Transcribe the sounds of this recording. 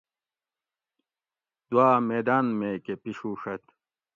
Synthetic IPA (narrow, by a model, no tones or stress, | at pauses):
d̪̥waːmeːd̪aːnmeːkepiʂuːʂɐt̪